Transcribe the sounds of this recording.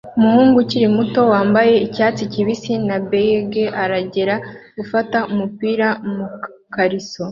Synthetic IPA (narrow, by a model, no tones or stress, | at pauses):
umuhuːŋɡuciɾimuto̞waːmbaje̞icaːt͡siciβisinabeeɡeʔaɾaɟe̞ɾaɡ̥ufataumupiːɾamu | kaɾiso̞